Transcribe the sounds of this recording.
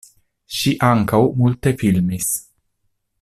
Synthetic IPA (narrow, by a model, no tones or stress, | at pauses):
ʃiʔaŋkawmult̪efilmisʲ